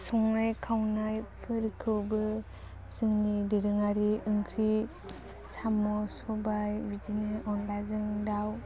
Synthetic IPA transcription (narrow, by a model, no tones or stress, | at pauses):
sɔŋajkʰawnajpʰɯɾkʰɯwbɯ | sɯŋnidiɾɯŋaɾiɯŋkʰɾi | samɔsɔbajbidinɯʔɔnlazɯŋdaw